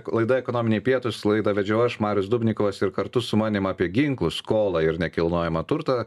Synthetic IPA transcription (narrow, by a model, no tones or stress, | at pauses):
lˠɐɪd̪ɐɛkonoːmʲɪnʲeɛɪpʲiɛt̪ʊslˠɐɪd̪ɐʋʲɛd͡ʒʲɛʊɐʃmɑːɾʲʊsd̪ʊbʲnʲɪkoʋɐsɪɾkɐɾt̪ʊsʊmɑːnʲɪmɑːpʲiɛɡʲɪŋklˠʊskoːlˠɑɪɾnʲɛkʲɪlˠnoɔjɛmɐt̪ʊɾt̪ɐ